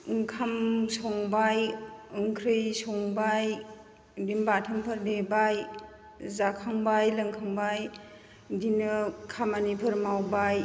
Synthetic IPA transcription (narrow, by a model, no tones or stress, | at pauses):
ŋkʰamsɔŋbajɯŋkʰɾɯjsɔŋbaj | dimbatʰɯmpʰɯɾdebaj | zakʰaŋbajlɐŋkʰaŋbaj | dinɯkʰamanipʰɯɾmawbaj